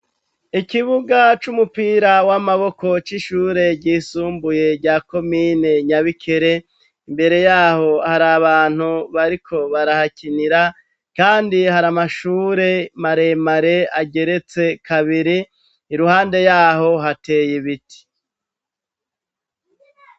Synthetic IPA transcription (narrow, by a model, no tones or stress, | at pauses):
ikiβuɡat͡ʃumupiːɾawamaβo̞ko̞t͡ʃiʃuːɾe̞ɾɟiːsuːmbuje̞ɾɟaːko̞mine̞ɲaβikʰe̞ɾe̞ | imbe̞ɾe̞jaːho̞haɾaβaːn̥huβaɾikʰo̞βaɾahakiniɾa | kaːndihaɾamaʃuːɾe̞maɾe̞maɾe̞aɡe̞ɾe̞t͡se̞kʰaβiɾiː | ɾuhaːnde̞jaːɦo̞ɦate̞ːjiβiti̥